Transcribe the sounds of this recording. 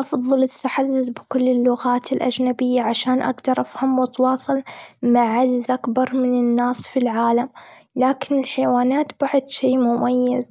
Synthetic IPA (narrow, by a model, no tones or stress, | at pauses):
ʔɑfðˤɨlɪt̪ːaħad̪ːʊθbɪkʊlːɪlːʊɣaːt̪ɪlʔa̰d͡ʒnabɪjːaʕaʃaːnʔa̰ɡd̪ɑɾˤʔafhamwɪt̪wɑːsˤɑlmaʕad̪zʔakbɑɾˤmɪnɪnːaːsfilʕaːlam | laːkɪnɪlħajwaːnaːt̪baʕʊd̪ʃeːmʊmajːaz